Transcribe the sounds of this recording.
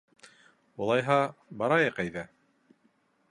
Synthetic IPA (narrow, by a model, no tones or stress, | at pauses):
ulˠɑjɦɑbɑɾɑjɤqæjðæ